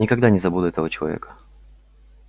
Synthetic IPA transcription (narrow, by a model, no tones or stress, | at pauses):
nʲɪkɐɡd̪anʲɪzɐbud̪ʊɛt̪əvət͡ɕɪlˠɐ̰vʲḛkə̥